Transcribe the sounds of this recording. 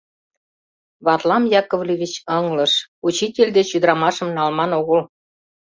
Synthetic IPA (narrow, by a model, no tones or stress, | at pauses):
βɑt̪lɑmjɑkŏvlʲiβʲit͡ɕɤŋlɤ̆ʃut͡ɕitʲelʲd̪et͡ɕyd̪ɾɑmɑʃə̆mnɑlmɑnoɣə̆l